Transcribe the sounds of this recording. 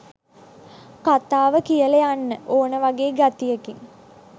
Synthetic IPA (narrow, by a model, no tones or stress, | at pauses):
kat̪aːʋəkijəlejanːəʔoːnəʋaɡeːɡat̪ijəkiŋ